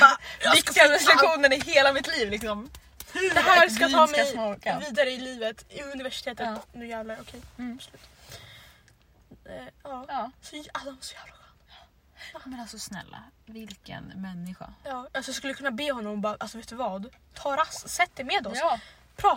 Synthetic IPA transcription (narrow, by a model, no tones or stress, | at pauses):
vɪkt̪ɪaɾɛslaɧuːnənɪɦeːlamɪt̪liːvlɪksɔm | kaskkat̪ʰɑːmɛjɔviːd̪aɾəɪliːvət̪ɪɵnɪvæʂɪ̥t̪ʰeːt̪ət̪nʉjæːvlaʊkʰɛjbslʉ̟ːt̪ | ɑːsɔalːasɔjæːvlaɧɛn | mɛasɔsnɛ̰lːa̰vɪlkə̰nmɛnːɪɧa̰jɑːjɑsɔjskɵlːəkɵnːabeːhɔnːɔmbɑːɾʔalsɔveːt̪d̪ɵvɑːd̪t̪ʰɑːɾasːɛt̪ːəmeːd̪ɔs | pʰɾɑː